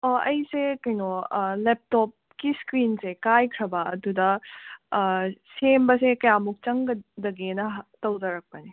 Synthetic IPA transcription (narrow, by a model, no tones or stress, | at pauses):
ɐɐjsekɐjnolep̚tɔp̚kiskɾinsekajkʰɾɐbɐɐdudɐ | sembɐsekɐjamuk̚t͡ʃɐŋɡɐdɐɡenɐtɐwzɐɾɐk̚pɐni